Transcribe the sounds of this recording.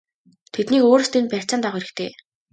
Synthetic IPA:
t̪ʰet̪niːkoːɾ̆st̪ʰenpær̥ʲt͡ɕt͡sănt̪aʁeɾɘ̆kt̪ʰeː

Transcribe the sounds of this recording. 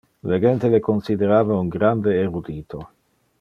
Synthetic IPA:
leɡent̪elekonsid̪eɾaːvauŋɡɾand̪eːɾud̪iːt̪ʰo

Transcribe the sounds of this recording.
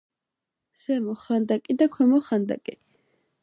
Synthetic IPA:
sɛmɔχand̪akʼid̪akʰwɛmɔχand̪a̰kʼi

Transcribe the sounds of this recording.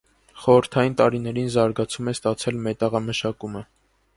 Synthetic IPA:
χɔɾəɾt̪ʰɑjint̪ɑɾinɛɾinzɑɾɡɑt͡sʰumɛst̪ɑt͡sʰɛlmɛt̪ɑʁɑməʃɑkumə

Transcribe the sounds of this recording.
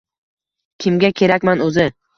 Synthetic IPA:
kʲʰɪmɡʲakʲʰe̞ɾakʲmanɵzɪ

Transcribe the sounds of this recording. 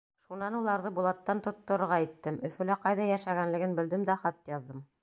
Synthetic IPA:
ʃunɑnulˠɑɾðɤbulˠɑt̪ːɑnt̪ŏt̪ːŏɾɤ̆ɾʁɑit̪ːɘmɵ̆fɵ̆læqɑjðɑjæʃæɡænlɘ̆ɡɘnbɘ̆ld̪ɘmd̪æχɑt̪jɑððɤm

